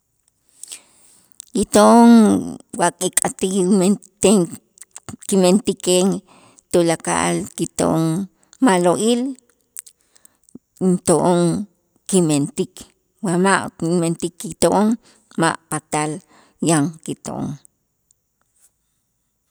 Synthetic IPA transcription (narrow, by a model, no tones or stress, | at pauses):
jit̪oʔoŋwakʼikʼat̪it̪e | kiment̪ikeŋ | t̪olaka̰ʔa̰lkit̪o̰ʔoŋ | maloʔil | nt̪oʔoŋ | kiment̪ik | wamaʔment̪ikːit̪oʔoŋ | ma̰ʔpat̪al | jaŋkit̪o̰ʔo̰ŋ